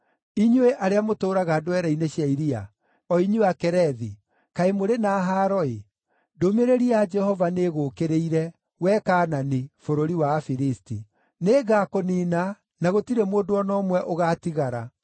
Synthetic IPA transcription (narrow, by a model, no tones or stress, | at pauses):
iɲweʔaɾeamotoːɾaɣadowɛɾaineɕjaiɾia̰ | ɔiɲuakɛɾɛði | kaemoɾenaːɦaːɾɔe | domeɾeɾiad͡ʒɛhɔvaneɣokeɾeiɾɛ | wɛkaːnanifoɾoɾiwafiɾisti | neɡakoniːna | naɣotiɾemoːdoɔnɔmwɛʔoɣaːtiɣaɾa̰